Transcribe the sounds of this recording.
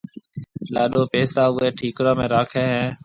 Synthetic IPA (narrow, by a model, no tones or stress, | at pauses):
laːɗoːpeːsaːɦʊeːʈʰiːkɾãːmẽːɾaːkʰẽːɦɛ̃ː